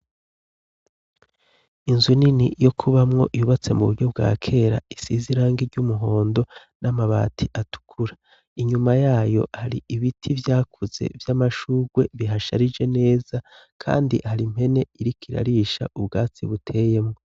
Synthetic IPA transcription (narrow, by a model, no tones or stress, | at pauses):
inzuninijo̞kʰuβamŋo̞ʔiβuβat͡se̞muβuɾɟo̞bɡa̰ːkʰe̞ɾa̰isiziɾaːŋɡiɾɟumuɦo̞ːndo̞ | nʔamaβa̰ːtʰiʔatu̥kʰuɾa | iɲumajaːjo̞̰haɾiiβitʰivjaːkʰuz̥e̞̰vjamaʃuːɡwe̞βiɦaʃa̰ɾid͡ʒe̞ne̞ːz̥a | kʰa̰ːndihaɾim̥he̞ne̞iɾikiɾa̰ɾiʃa̰ʔubɡaːt͡siβutʰe̞ːje̞mŋo